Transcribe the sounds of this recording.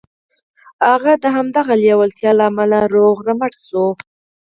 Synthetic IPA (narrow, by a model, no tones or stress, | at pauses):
haɣad̪əɦamd̪aɣaljawalt̪jɑlaamalaɾoɣɾamaʈsu